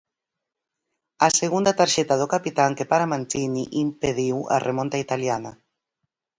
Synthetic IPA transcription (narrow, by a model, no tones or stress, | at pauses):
aseɣund̪at̪aɾʃɛt̪aðokapit̪aŋkepaɾamãnt̪iniʔimpeðiwa̰rʔemõnt̪ait̪aljana